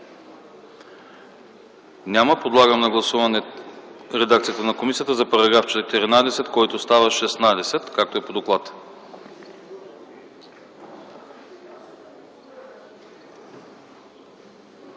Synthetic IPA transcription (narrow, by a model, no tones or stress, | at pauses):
nʲaməpod̪lˠaɡəmnɐɡlˠɐsuvɐnɛ | ɾɛd̪ak̚t̪sijət̪ənɐkomisijət̪əzɐpɐɾɐɡɾaft͡ʃɛt̪ɛɾinad̪ɛsɛt̪kɔjt̪ost̪avəʃɛsnad̪ɛsɛt̪kak̚t̪oɛpod̪oklˠat̪